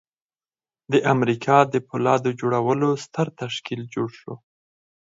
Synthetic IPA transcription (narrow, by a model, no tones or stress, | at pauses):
d̪əʔamɾikʰɑd̪əpʊlɑd̪od͡ʒoɽawəlost̪əɾt̪aʃkild͡ʒoɽʃo